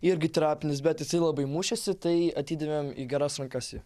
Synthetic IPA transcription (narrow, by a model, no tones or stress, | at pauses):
ɪɾʲɡʲɪt̪ɾɑːpʲɪnʲɪsbʲɛt̪jɪsɐɪlˠɐbɐɪmuːʃʲɛsʲɪt̪ɐɪɐt̪ʲiːd̪ɐʋʲeːmḭɡʲɛɾɐsɾɐŋkɐsjiː